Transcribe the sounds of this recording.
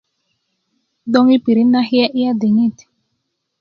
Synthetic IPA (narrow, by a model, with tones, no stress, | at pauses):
d̪ɔ˦ŋi˦pi˨ɾi˦na˦hjɛ˦ʔi˦a˦d̪i˨ŋi˦˨t̪